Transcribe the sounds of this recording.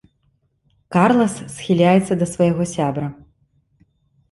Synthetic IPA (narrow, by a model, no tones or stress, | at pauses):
karlˠɐsːxʲilʲajɛt̪sːɐd̪ɐsvɐjɣɔsʲabɾɐ